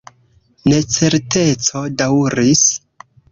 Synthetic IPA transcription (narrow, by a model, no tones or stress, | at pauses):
ne̞t͡se̞ɾte̞t͡so̞dawuɾis